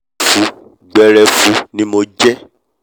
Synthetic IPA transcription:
fu˨˦ | ɡ͡bɛ˨˦ɾɛ˧fu˨˦nĩ˦mo˧d͡ʒɛ˦

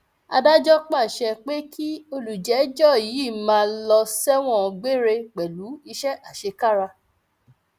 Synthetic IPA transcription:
a˧da˦d͡ʒɔ˦k͡pa˦˨ʃɛ˧k͡pe˦kʰi˦o˧lu˨d͡ʒɛ˨˦d͡ʒɔ˦˨jiː˨˦˨mãː˧lɔ˧sɛ˦w̃ɔ̃˦˨˧ɡ͡be˦ɾe˧k͡pɛ˨lu˨˦i˧ʃɛ˦ʔa˨ʃe˧ka˦ɾa˧

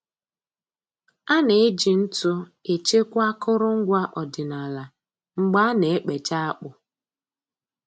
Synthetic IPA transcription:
a˦ne˨e˦d͡ʒi˨n̩˦tʊ˦e˨t͡ʃe˦kʷa˦kʊ˦ɾʊ˦ŋ̩˦ɡʷa˦ʔɔ˨dɪ˨na˨la˨ | ŋ͡m̩˦ɡ͡ba˦ne˨e˦k͡pe˨t͡ʃa˦a˦k͡pʊ˨

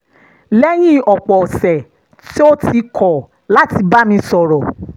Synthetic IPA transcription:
lɛ˦j̃ĩ˦ɔ˨k͡pɔ˨sɛ˨ | ti˦o˦ti˧kʰɔ˨ | la˨˦ti˧ba˦mĩ˧sɔ˨ɾɔ˨

